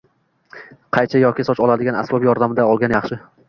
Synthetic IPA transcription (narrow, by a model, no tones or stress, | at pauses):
qʰɑjt͡ʃʰajɒkʲɪsɒt͡ʃɒlˠad̪ɪɡanasbɒbjɒɾd̪amɪd̪aɒlˠɡʲanjɑχʃɪ